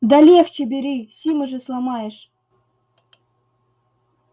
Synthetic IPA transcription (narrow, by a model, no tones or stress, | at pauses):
d̪alʲext͡ɕɪbʲɪɾʲisʲimɨʐɨslˠamɑjɪʂ